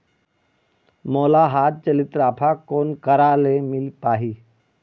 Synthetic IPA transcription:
moːlaɦat̪̚t͡ʃəlit̪ɾaːpʰakoːnkəɾalemɪlpaːɦiː

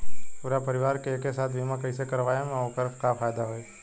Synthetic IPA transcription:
puɾapəɾɪʋaːɾkeeːkesaːt̪ʰʋimãkəisekəɾʋaːjemẽokəɾfkafʰaːjd̪aɦoe

